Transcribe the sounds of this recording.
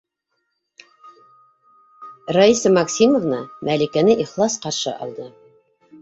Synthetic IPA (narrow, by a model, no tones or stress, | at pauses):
raisɤmɑksʲimŏvnɤmʔælikænɘʔiχlˠɑsqɑɾʃɤ̰ʔɑ̰lˠd̪ɤ